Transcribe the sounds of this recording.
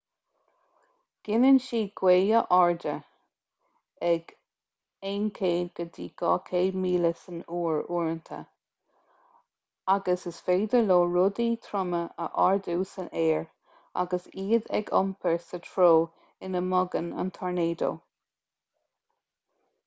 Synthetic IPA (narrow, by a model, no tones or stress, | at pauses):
ɡ̥ɪnənʃiːɡ̥weːəʔɔɹd̪ə | ɛɡ̥ | eːnkʰeːdɡ̥əd̪iːɡ̥ɑːkʰeːmiːləsənuːɹuːɹənt̪ʰə̰ | aɡəsəsfeːd̪əloːɹʊd̪iːt̪ʰɾʊməʔə̰ʔaɹd̪uːsənʔeːɹ | a̰ɡəsiːd̪ɛ̰ɡɔ̰mpʰəɹsətʰɹoː | ɪnəmɔɡənə̰nt̪ʰɔɹneːd̪o̰ː